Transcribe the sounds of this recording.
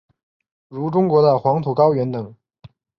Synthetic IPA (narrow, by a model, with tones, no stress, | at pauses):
ɻu˧˥ʈ͡ʂʊ˥ŋkwɔ˧˥d̪ə˧xwɑ˧˥ŋt̪ʰu˨˩kɑ˥ʊɥɛ˧˥nt̪ɤ˨˩˦ŋ